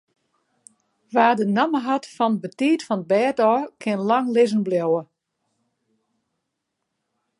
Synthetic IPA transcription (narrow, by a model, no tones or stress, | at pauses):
ʋaːdənaməɦatfɔn̚bətiːtfɔnəd̚bɛːtɔːkʰɪnlaŋlɪzən̩bljowə